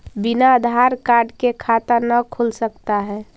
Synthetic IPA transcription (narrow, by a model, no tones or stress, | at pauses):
binaəd̪ʱaɾkaɾɖkekʰat̪ənəkʰulsəkt̪aɦɛː